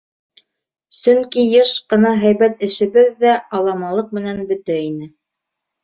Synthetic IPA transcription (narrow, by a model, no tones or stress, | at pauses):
sɵŋkijɤʃqɤ̆nɑɦæjβæt̪ɘ̆ʃɘ̆βɘðːæɑlˠɑmɑlˠɤq̚mɘ̆nænbɵ̆t̪æinɘ